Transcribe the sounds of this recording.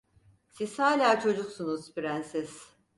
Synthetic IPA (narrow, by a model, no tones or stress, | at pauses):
sishaːlʲaːt͡ʃʰo̞d͡ʒuksunuz̥biɾænsiz̥